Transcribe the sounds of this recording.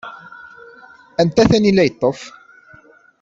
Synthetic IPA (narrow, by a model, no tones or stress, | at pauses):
ænt̪æθænilːæjət̪ˤːof